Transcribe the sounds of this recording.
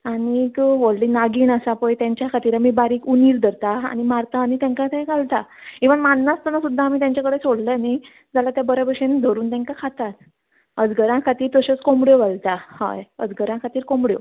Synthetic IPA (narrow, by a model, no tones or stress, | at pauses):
añikʋoɭliːnaɡiːnəsapəjt̪jãɲt͡ɕjakʰat̪iːɾamiːbaɾiːkuniːɾd̪ʱəɾt̪aa̰ñimaɾt̪aːñit̪ãŋkat̪ʰẽɡalt̪akĩʋəmanːast̪anasud̪ʱːaːmiːt̪jaɲt͡ɕakəɽet͡soɽləjani | d͡zalat̪jabəɾabəɕend̪ʱəɾuːnt̪ɛ̃ŋkakʰat̪at̪̚ | əd͡zɡəɾãkʰat̪iːɾt̪əɕɔt͡skombɽjoʋalt̪aha̰jəd͡zɡʱəɾãkʰat̪iːɾkombɽjo̰